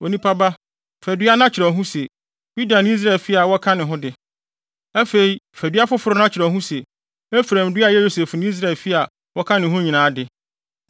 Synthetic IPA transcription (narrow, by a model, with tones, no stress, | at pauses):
o˨nĩ˦pʰa˦ba˦ | fæ˨dɥa˦nã˦t͡ɕʰɪ˨ɾɛ˨ɦũ˦sɛ˨ | ju˦da˨nɪ̃˦i˦s̬ɾa˦ɛ˨fi˦a˨wɔ˦kʰã˦nɪ̃˨ɦʊ̃˦dɪ˨ | æ˦fe˨i˨fæ˨dɥa˦fʊ˦fʊ˨ɾʊ˦nã˦t͡ɕʰɪ˨ɾɛ˨ɦũ˦sɛ˨ | ɛ˦fɾæ̃˨m˨dʊ˦a˦˨jɛ˦jo˦se˨fnɪ̃˦i˦s̬ɾa˦˨lfi˦a˨ | wɔ˦kʰã˦nɪ̃˨ɦʊ̃˦ɲĩ˨nãː˨˦dɪ˨